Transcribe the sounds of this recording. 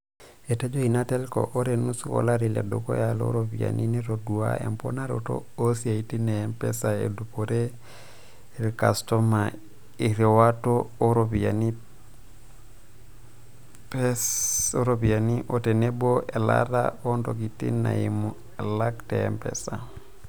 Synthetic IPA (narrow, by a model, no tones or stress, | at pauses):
etad͡ʒoinatelko̰ʔoɾenusuko̰laɾilḛdoko̰jalo̰ɾobia̰nʔiniɾoduwa̰ḛmponaɾoto̰osiaitineempɛsaḛdupoɾe | iɾkastoma | iɾɛwatooɾobiani | pesoɾobianiʔoteneboela̰ɾa̰ondoɡitḭna̰imu | elakteempḛsa